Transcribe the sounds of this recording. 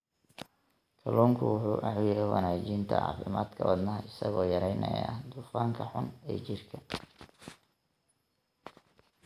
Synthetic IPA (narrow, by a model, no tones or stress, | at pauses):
kʰɐlɔːŋkʰʊwʊħuːʔɑʕwɪjɛjwɑ̰naːt͡ʃiːnt̪ʰɐ̰ʕɑ̰ːfɪmaːd̪kʰɐwɐd̪nɐɦɐɪsɐɣɔːjɐɾɛjnɐ̰ja̰ːd̪uːfaːŋkʰɐħʊnɛːt͡ʃɪrkʰɐ